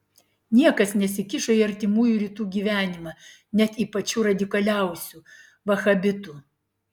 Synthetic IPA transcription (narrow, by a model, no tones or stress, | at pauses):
nʲiɛkɐsnʲɛsʲɪkʲɪʃoiːɐɾʲt̪ʲɪmuːjuːɾʲiːt̪uːɡʲiːʋʲæːnʲɪmɐ | nʲɛt̪iːpɐt͡ʃʲuːɾɐd̪ʲɪkɐlʲæˑʊsʲu | ʋɐxɐbʲɪt̪uː